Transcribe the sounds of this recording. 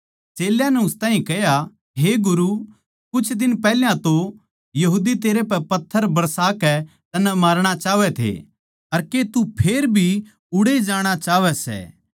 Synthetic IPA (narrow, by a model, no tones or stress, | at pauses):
t͡ʃeːljãnɛʊst̪ãːɦĩkɛɦja | ɦeɡʊɾu | kʊt͡ʃʰd̪ɪnpɛɦljãt̪o | jɐɦuːd̪it̪eːɾepɛpɐt̪ʰːəɾbɐɾsaːkɛ | t̪ɐnɛ̃maːɾɽ̃at͡ʃaːʋɛt̪ʰḛ | ɐɾket̪upʰeːɾbʱi | ʊɽed͡ʒaːɽ̃at͡ʃaːʋɛsɛ̰ː